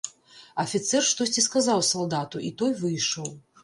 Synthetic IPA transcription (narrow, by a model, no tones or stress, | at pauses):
ɐfʲit̪sɛrʂt̪ɔsʲt͡sʲiskazawsalˠd̪at̪uʔit̪ɔjvɨjʂɔw